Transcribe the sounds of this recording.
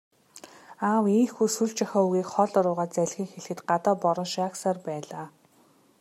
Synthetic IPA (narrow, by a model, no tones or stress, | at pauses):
aːwiːŋxujsuɮt͡ɕaxɔːuɣiːkχɔɮɔɾʊːʁaːt̪t͡sæɮxʲiːŋxeɮxɘ̆t̪ɢat̪aːpɔɾɞ̆nʃaksaːrpæːɮaː